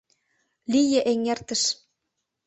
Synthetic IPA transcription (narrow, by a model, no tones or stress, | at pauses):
lijĕʔeŋert̪ə̆ʃ